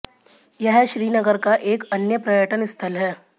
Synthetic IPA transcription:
jaɦaɕɾiːnəɡəɾkaʔekənjəpɾəjəʈənist̪ʰəlɦɛ

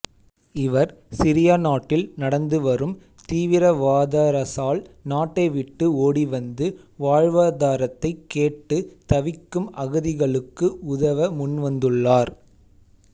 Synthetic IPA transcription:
ɪʋɐɾsɪɾɪjanaːʈːɪlnɐɽɐnd̪ɯʋɐrɯm | t̪iːʋɪɾɐʋaːðaːɾɐsaːɭnaːʈːɐɪʋɪʈːɯoːɽiʋɐnd̪ɯʋaːɻʋaːðaːɾɐt̪ːɐɪkːeːʈːɯt̪ɐʋɪkːɯmɐɣɯðɪɣɐɭɯkːɯʊðɐʋɐmʊnʋɐnd̪ɯɭːaːɾ

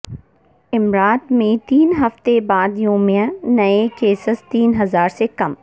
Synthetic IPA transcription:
ɪmɾaːt̪mẽt̪iːnɦɐft̪ebaːd̪joːmijãnɐekeːsɪst̪iːnɦɐzaːɾsekɐm

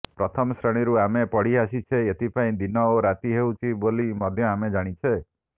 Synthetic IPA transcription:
pɾɔt̪ʰɔmɔsɾeɽ̃iɾuamepɔɽ̤iasit͡ʃʰeet̪ipaĩd̪inɔoɾat̪iɦewt͡ʃʰibolimɔd̪ʱjɔamed͡ʒaɽ̃it͡ʃʰe

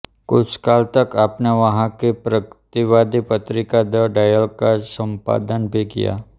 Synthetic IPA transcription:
kʊt͡ʃʰkaːlt̪ɐkaːpneʋɐɦãkepɾəkt̪iʋaːd̪ipɐt̪ɾɪkad̪əɖaːjəlkasə̃mpa̰ːd̪ənbʱikḭja̰ː

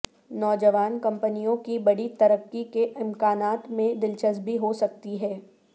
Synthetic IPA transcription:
nɔːd͡ʒəʋaːnkɐ̃mpənijõkibɐɽit̪ɐɾəkːikeʔɪmkaːnaːt̪mẽd̪ɪlt͡ʃəzbʱiɦosɐk̚t̪iɦɛː

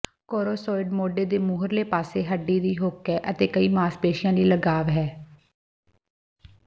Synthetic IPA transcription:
koːɾoːsɔːɪɖmoːɖeːd̪eːmʊɦəɾleːpaːseːɦəɖiːd̪iːɦoːkɛːʔət̪eːkəiːmaːspeːʃɪjãːliːləɡaːʋɦɛː

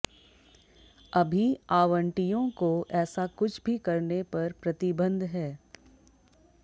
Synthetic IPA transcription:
ɐbʱiaːʋə̃ɳʈijõkoɛːsakʊt͡ʃʰbʱikɐɾnepɐɾpɾɐt̪ɪbə̃nd̪ɦɛː

